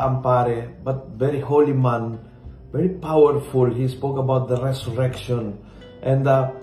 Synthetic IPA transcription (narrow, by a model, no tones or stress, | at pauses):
ɐmpaɾɛbɐt̪̚vɛɾiholimãn | vɛɹipawɛɹfulɦispokɐbawt̪̚d̪ɐɾɛsʊɹɛkʃɔ̃n | ʔɛ̃nd̪a